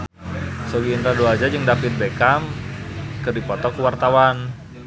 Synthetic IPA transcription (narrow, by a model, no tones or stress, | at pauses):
soɡiːnt̪ɾaduad͡ʒad͡ʒɨŋdapit̪̚bekam | kɨrdipɔt̪ɔkuwart̪awan